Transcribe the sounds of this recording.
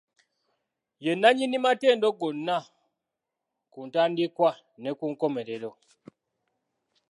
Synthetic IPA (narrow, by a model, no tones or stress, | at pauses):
jenːaɲinimateːndoɡonːa | kuːntaːndikwa | ne̞kuːŋko̞me̞ɾeɾo̞